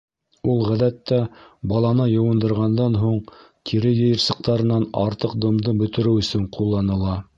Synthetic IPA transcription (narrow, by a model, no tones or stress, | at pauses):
ulˠʁæðæt̪ːæbɑlˠɑnɤjɤ̆wɤ̆nd̪ɤ̆ɾʁɑnd̪ɑnɦuɴt̪ʰiɾɘjɤ̆jɤ̆ɾsɤ̆q̚t̪ɑɾɤ̆nɑnɑɾt̪ɤq̚d̪ŏmd̪ɤbɵ̆t̪ɘ̆ɾɘwɵ̆sɵɴqʰulˠːɑnɤ̆lˠɑ